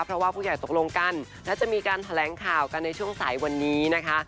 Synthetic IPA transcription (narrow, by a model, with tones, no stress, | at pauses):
pʰɾɔ˦˥waː˥˩pʰuː˥˩ja˨˩jt̪o˨˩k̚lo˧ŋka˧˩nlɛː˦˥wt͡ɕa˨˩ʔmiː˧kaː˧nt̪ʰa˧lɛː˩˦ŋkʰaː˨˩wka˧nːa˧jt͡ɕʰu˥˩əŋsa̰ː˩˦jwa˧nːiː˦˥na˦˥kʰa˦˥ʔ